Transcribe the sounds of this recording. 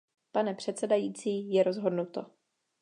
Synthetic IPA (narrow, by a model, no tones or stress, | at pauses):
panɛpr̝̥ɛt̪sɛdajiːt͡siːjɛɾo̞zɦo̞dnut̪o̞